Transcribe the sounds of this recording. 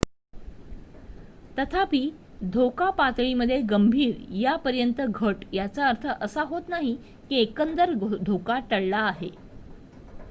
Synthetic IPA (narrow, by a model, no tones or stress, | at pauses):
t̪ət̪ʰapiː | d̪ʱokapat̪ɭiməd̪ʱːjeɡəmbʱiːɾjapəɾjənt̪əɡʱəʈjat͡saəɾt̪ʰəʔəsaɦot̪naɦi | kiekənd̪əɾd̪ʱokaʈəɽlaːɦe